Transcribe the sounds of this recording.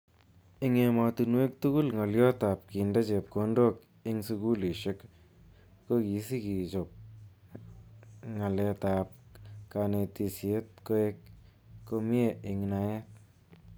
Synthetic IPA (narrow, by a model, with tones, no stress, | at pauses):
i˦ŋe˧ma˧t̪unwe˦k̚t̪u˦ɡu˦lŋa˨ljo˦t̪a˨p̚ki˨ndɐ˦t͡ʃe˨p̚ko˧ndo˦k | i˦ŋsu˧ɡu˦li˨ʃe˦k | ko˦ki˨si˦ki˨t͡ʃo˨p̚ | ŋa˨le˧ta˨p̚ka˧ne˧t̪i˧sje˦t̪̚ko˦e˦k̚ | ko˧mi˦e˨i˨ŋna˧˦je˦t̚